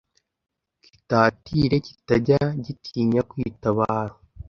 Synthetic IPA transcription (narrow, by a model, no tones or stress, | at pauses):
ci̥taːtiːɾe̞ci̥taɟaɟitʰiːɲakwiːtaβaːɾo